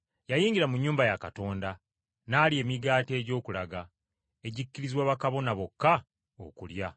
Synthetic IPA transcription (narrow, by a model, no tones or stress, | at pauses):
jajiːɲɟiɾamuɲːuːmbajakato̞ːnda | naːlie̞ːmiɡaːte̞ːɟo̞ːkulaɡa | e̞ɟikːiɾizwaːβakaβo̞naβo̞kːa | o̰kṵlja